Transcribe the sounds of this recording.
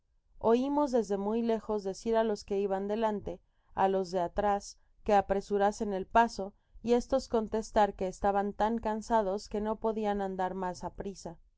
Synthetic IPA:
o̞imo̞zðe̞zðe̞mujle̞xo̞zðe̞siɾalo̞ske̞iβand̪e̞lant̪e̞ | alo̞zðe̞at̪ɾas | ke̞apɾe̞suɾase̞ne̞lpaso̞ | ie̞st̪o̞sko̞nt̪e̞st̪aɾke̞ːst̪aβant̪aŋkansað̞o̞ske̞no̞po̞ðianãnd̪aɾmasapɾisa

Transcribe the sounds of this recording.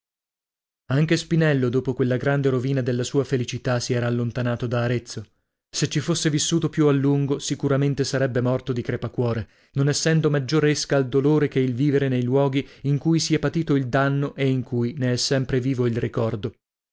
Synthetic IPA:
aŋk̟espinɛlːod̪oːpokwelːaɡɾand̪eɾoviːnad̪elːasuːafelit͡ʃit̪asiɛːɾaːlːont̪anaːt̪od̪aːɾet̪sːo | set͡ʃifosːevisːuːt̪opjualːuŋɡosikuɾament̪esaɾɛbːemɔrt̪od̪ikɾepakwɔːɾe | nonɛsːɛnd̪omad͡ʒːoreskaːld̪oloːɾekeilviːveɾenejlwɔːɡiiŋkujsiɛpat̪iːt̪oild̪anːoʔeiŋkʰujneɛsːɛmpɾeviːvoilrikɔrd̪o

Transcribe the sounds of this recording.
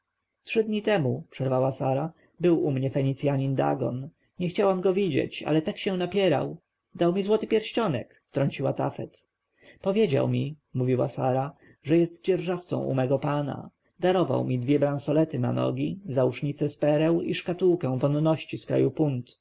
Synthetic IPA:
tʂɘd̪ɲit̪ɛmupʂɛɾvawasaɾa | bɘwʔumɲɛfɛɲit̪sʲjaɲind̪a̰ɡɔ̰n | ɲɛxt͡ɕawamɡɔvʲid͡ʑḛt͡ɕa̰lɛt̪akɕɛ̃w̃napʲjɛɾa̰w | d̪awmʲizwɔt̪ɘpʲjɛɾɕt͡ɕɔnɛ̰kft̪ɾɔɲt͡ɕiwat̪a̰fɛt̪ | pɔvʲjed͡ʑa̰wmʲi | muvʲiwa̰sa̰ɾa | ʐɛjɛst̪d͡ʑɛɾʐaft̪sɔ̰̃w̃ʔṵmɛɡɔpana̰ | d̪aɾɔva̰wmʲid̪vʲjɛbɾansɔlɛt̪ɘna̰nɔ̰ɡʲizauʂɲit̪sɛspɛɾɛwiʂkat̪uwkɛw̃vɔnnɔɕt͡ɕiskɾa̰jupunt̪

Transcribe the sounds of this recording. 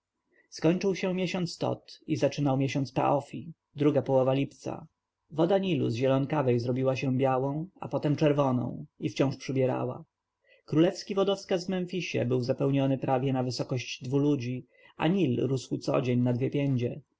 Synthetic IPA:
skɔɲt͡ʂɘwɕɛmʲjeɕɔnt̪st̪ɔ̰t̪izat͡ʂɘnawmʲjeɕɔnt̪spɛ̰ʔɔfʲi | d̪ɾuɡapɔwɔvalʲipt̪sa̰ | vɔd̪aɲilṵzʑɛlɔnkavɛjzɾɔbʲiwaɕɛbʲjawɔ̃w̃a̰pɔt̪ɛmt͡ʂɛɾvɔnɔ̰̃w̃ift͡ɕɔ̃ʂpʂɘbʲjɛɾa̰wa̰ | kɾulɛfskʲivɔd̪ɔfskazvmɛnfʲiɕɛ̰bɘwzapɛwɲɔnɘpɾavʲjɛnavɘsɔkɔɕd͡ʑd̪vulud͡ʑi | a̰ɲilɾuswut̪sɔ̰d͡ʑeɲnad̪vʲjɛpʲjɛɲd͡ʑɛ

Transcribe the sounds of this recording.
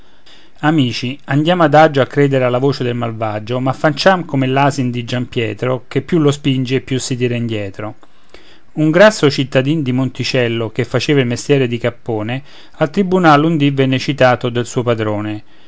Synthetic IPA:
amiːt͡ʃiand̪jaːmad̪ad͡ʒoakːɾeːd̪eɾealːavoːt͡ʃed̪elmalvad͡ʒomafːant͡ʃamkomelaːzind̪id͡ʒampjɛːt̪ɾokepːjulːospind͡ʒeːpːjusːit̪iːɾaind̪jɛːt̪ɾo | uŋɡɾasːot͡ʃit̪ːad̪ind̪imont̪it͡ʃɛlːok̟efːat͡ʃeːvailmest̪jɛːɾed̪ikapːoːne | alt̪ɾibunalund̪ivɛnːet͡ʃit̪aːt̪od̪elsuːopad̪ɾoːne

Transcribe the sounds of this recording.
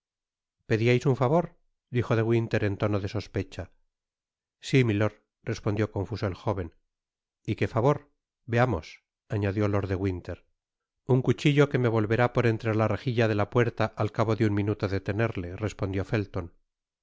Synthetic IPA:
pe̞ðiajsuɱfaβo̞ɾ | d̪ixo̞ðe̞ɣwint̪e̞ɾe̞nt̪o̞noðe̞so̞spe̞t͡ʃa | similo̞ɾ | re̞spo̞nd̪jo̞ko̞ɱfuso̞elxo̞βe̞n | ike̞faβo̞ɾ | be̞amo̞̰s | aɲaðjo̞lo̞ɾðe̞ɣwint̪e̞ɾ | uŋkut͡ʃiʎo̞ke̞me̞β̞o̞lβe̞ɾapoɾe̞nt̪ɾelare̞xiʎaðe̞lapwe̞ɾt̪aʔalkaβo̞ðeuŋmĩnut̪oðe̞t̪ene̞ɾle̞re̞spo̞nd̪jo̞fe̞lt̪o̞n

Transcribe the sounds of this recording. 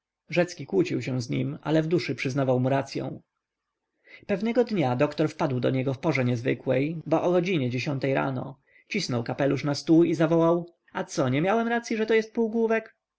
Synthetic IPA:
ʐɛt̪skʲikwut͡ɕiwɕɛw̃zɲḭma̰lɛvd̪uʂɘpʂɘznavawmuɾat̪sʲjɔ̰̃w̃ | pɛvnɛɡɔd̪ɲad̪ɔkt̪ɔɾfpad̪wd̪ɔ̰ɲɛɡɔfpɔʐɛɲɛzvɘ̰kwɛjbɔʔɔɡɔd͡ʑiɲɛd͡ʑeɕɔnt̪ɛjɾa̰nɔ̰ | t͡ɕisnɔwkapɛluʂnast̪uizavɔwaw | at̪sɔɲɛmʲjawɛmɾat̪sʲjiʐɛt̪ɔjɛst̪̚puwɡwuvɛk

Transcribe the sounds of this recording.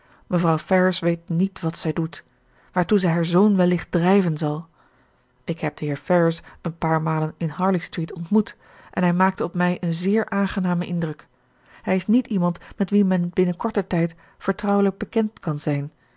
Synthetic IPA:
məvrɑwfɛɹəsʋejtnitʋɑtsɛjdut | ʋaːɹtuzɛjɦaːɹzownʋɛlːɪχt̚drɛjvənzɑlˠ | ʔɪkɦɛp̚d̥əɦɪːɹfɛɹəsənpaːɹmaːlənɪnɦɑːɹlistritɔntmut | ʔɛnɦɛjmaːk̚təɔpmɛjʔənzɪːɹʔaːnχənaːməʔɪndrɵk | hɛjɪsnitimɑntmɛtʋimɛnbɪnəkɔɹtətɛjt | fəɹtrɑwələɡ̚bəkɛntkɑnzɛjn

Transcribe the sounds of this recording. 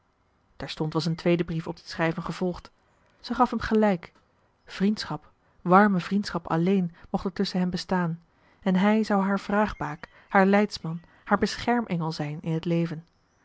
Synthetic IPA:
tɛɹstɔntʋɑsəntʋejdəbrifɔb̚dəsχrɛjvənχəv̥ɔlˠχt | z̥əχɑfɦɛmχəlɛjk | v̥rintsχɑp | ʋɑɹməvrintsχɑpɑ̰lejnmɔχtəɹtɵsənɦɛmbəstaːn | ɛnɦɛjzɑwɦaːɹv̥raːχbaːk | haːɹlɛjtsmɑn | haːɹbəsχɛɹmʔɛŋəlˠzɛjnɪ̰nɦətlejvən

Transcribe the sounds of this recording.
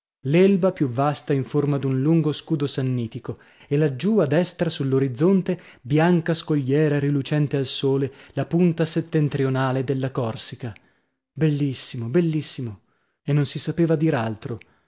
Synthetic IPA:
lɛlbapjuvːast̪aiɱformad̪unluŋɡoskuːd̪osanːiːt̪iko | elad͡ʒːuad̪ɛst̪ɾasulːoɾid̪zːont̪e | bjaŋkaskoʎːɛːɾaɾilut͡ʃɛnt̪ealsoːlelapunt̪aset̪ːent̪ɾionaːled̪elːakɔrsika | belːisːimobelːisːimo | enːonsisapeːvad̪iːɾalt̪ɾo

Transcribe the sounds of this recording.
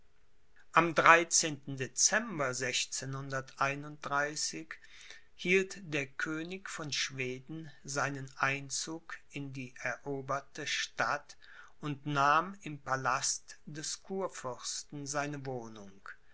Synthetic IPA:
ʔamdʁaɪt͡seːntn̩det͡sɛmbɐzɛçt͡seːnhʊndɐtʔaɪnʊnt̚d̥ʁaɪsɪç | hiːltd̥eːɐkʰøːnɪçfɔnʃv̥eːdn̩zaɪnənʔaɪnt͡suːkɪndiːʔɛɐʔoːbɐtəʃtat | ʊntnaːmɪmpalastd̥ɛskʰuːɐfʏʁstn̩zaɪnəvoːnʊŋk

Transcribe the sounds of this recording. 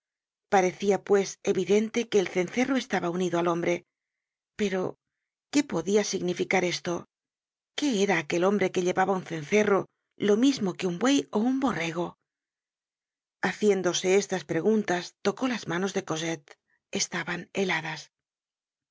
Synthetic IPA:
paɾe̞θiapwe̞se̞βiðe̞nt̪e̞ke̞ːlθe̞nθe̞ro̞e̞st̪aβauniðoalo̞mbɾe̞ | pe̞ɾo̞ | ke̞po̞ðiasiɣnifikaɾe̞st̪o̞ | ke̞eɾaːke̞lo̞mbɾe̞ke̞ʎe̞βaβaunθe̞nθe̞ro | lo̞mizmo̞ke̞umbwe̞jo̞umbo̞re̞ɣ̞o̞ | aθje̞nd̪o̞se̞est̪aspɾe̞ɣunt̪ast̪o̞ko̞lazmano̞zðe̞ko̞set̪ | e̞st̪aβane̞laðas

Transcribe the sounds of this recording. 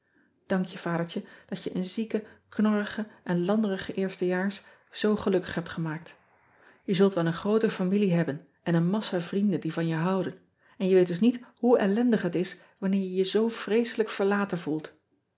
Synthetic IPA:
d̥ɑŋkjəv̥aːdəɹt͡ʃəd̥ɑtjəʔənzikəknɔrəχəʔɛnlɑndərəχəʔɪːɹstəjaːɹs | z̥owχəlɵkə̥χɦɛp̚tχəmaːk̚t | jəzɵlˠtʋɛlˠənχrowtəfamiliɦɛbən | ʔɛnənmɑsavrindəndivɑnjəɦɑwdən | ɛnjəʋejtdɵsnitɦuɛlɛndəχɦətɪs | ʋɑnɪːɹjəjəzowv̥rejsələkfəɹlaːtənvulˠt

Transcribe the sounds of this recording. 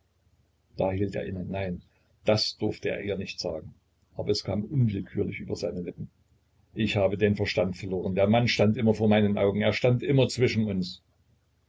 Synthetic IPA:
d̥aːhiːltḛːɐʔɪnənnaɪn | d̥asd̥ʊɐftəḛːɐiːɐnɪçtz̥a̰ːɡŋ̩ | ʔaːbɐɛskʰaːmʔʊnvɪlkʰyːɐlɪçʔy̰ːbɐzaɪnəlɪpm̩ | ʔɪçhaːbədeːnfɛɐʃtantfɛɐloːʁ̞əndeːɐmanʃtantʔɪmɐfoːɐmaɪnənʔa̰ʊɡŋ̩eːɐʃtantʔɪmɐt͡sv̥ɪʃn̩ʊns

